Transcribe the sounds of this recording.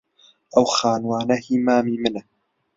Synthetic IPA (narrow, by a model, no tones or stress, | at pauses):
ʔawxaːnwaːnahɪmaːmiːmɪn